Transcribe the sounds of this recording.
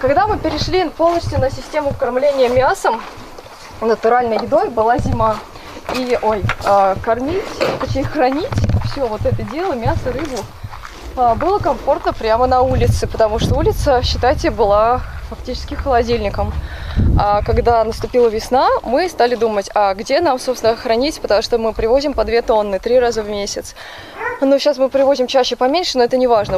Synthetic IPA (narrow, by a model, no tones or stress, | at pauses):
kɐɡd̪amɨpʲɪɾʲɪʂlʲipo̞lˠnəsʲt̪ʲjʊnəsʲɪsʲtʲemʊkɐrmlʲenʲɪjəmʲasəm | nət̪ʊɾalʲnəjjɪd̪o̞jbɨlˠazʲɪma | iʔojkɐrmʲitʲpɐejxrɐnʲitʲfsʲovo̞t̪ɛt̪ədʲe̞lˠəmʲasəɾɨbʊ | abɨlˠəkɐmfo̞rt̪nəpɾʲamənɐulʲɪt̪sɨpət̪ɐmuʂt̪oulʲɪt̪səɕːɪt̪atʲɪbɨlˠafɐktʲit͡ɕɪ̥skʲɪxəlˠɐdʲilʲnʲɪkəm | akɐɡd̪anəst̪ʊpʲilˠəvʲɪsnamɨst̪alʲɪd̪umətʲaɡdʲe̞namsopst̪nəxɾɐnʲitʲpət̪ɐmuʂt̪omɨpɾʲɪvo̞zʲɪmpɐd̪vʲet̪o̞nːɨt̪ɾʲiɾazəvmʲesʲɪt̪s | noɕasmɨpɾʲɪvo̞zʲɪmt͡ɕæɕːɪpɐmʲenʲʂɨnoɛt̪ənʲɪvaʐnə